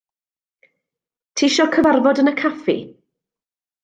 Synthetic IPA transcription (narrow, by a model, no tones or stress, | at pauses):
tʰiːʃɔkʰəvarvɔdənəkʰafḭ